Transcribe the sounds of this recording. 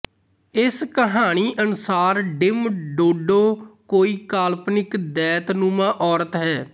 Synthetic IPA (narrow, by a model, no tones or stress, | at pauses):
ɪskəɦaːɽ̃iːʔənʊsaːɾɖɪmɖoːɖoːkoːiːkaːlpnɪkd̪ɛːt̪nũːmãːʔɔːɾət̪ɦɛː